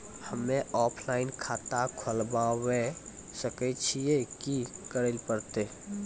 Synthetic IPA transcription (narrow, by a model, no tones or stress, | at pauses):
həmːẽʔɔːpʰlaːɪnkʰaːt̪akʰəlbawe | səket͡ʃʰijekikəɾelpəɾt̪eː